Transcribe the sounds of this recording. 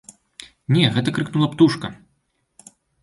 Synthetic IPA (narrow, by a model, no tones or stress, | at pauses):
nʲɛɣɛt̪ɐkɾɨknulˠɐpt̪uʂkɐ